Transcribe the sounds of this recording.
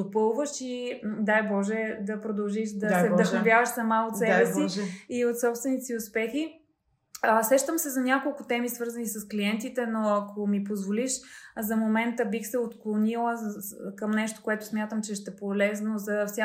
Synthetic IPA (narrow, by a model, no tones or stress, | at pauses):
d̪opɤlˠvəʃid̪ajbɔʒɛd̪ɐpɾod̪ɐlˠʒiʃd̪ɐsɛd̪əxnovʲjavɐʃsɐmaot̪sɛbɛsiiot̪sɔpst̪vɛnit̪ɛsiʊspɛxi | sɾɛʃt̪əmsɛzɐnʲjakolˠkʊt̪ɛmisvɤɾzɐnisɐskliɛnt̪it̪ɛnoɐkʰomipozvoliʃzɐmomɛnt̪əbixsɛot̪klˠonilˠəkəmnɛʃt̪o̥koɛt̪ʊ̥smʲjat̪əmt͡ʃɛʃt̪ɛpolɛznozɐfsʲa